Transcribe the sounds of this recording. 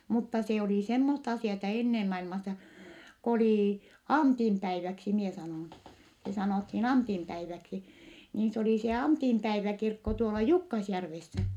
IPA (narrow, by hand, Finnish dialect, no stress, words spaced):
mutːɑ se oliˑ semːostɑ ɑsiˑɑtɑ enːem mɑilmɑsːɑ k oliˑ ɑntim pæiʋæksi mie sɑnoˑn se sɑnoˑthin ɑntim pæiʋæksi niːn s oliˑ se ɑntimpæiʋækirkːo tuolɑ jukːɑsjærʋesːæ